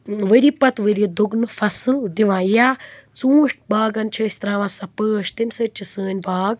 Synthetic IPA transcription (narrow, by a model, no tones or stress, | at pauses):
ʋəɾiːpɐt̪ʋəɾʲid̪uɡnɨfɐsɨld̪iʋãːjaːt͡suːʂʈ̚baːɡɐnt͡ʃʰəːsʲt̪ɾaːʋaːsɐpəːʃt̪imʲsɨt͡ʃʰisəːnʲbaːɡ̚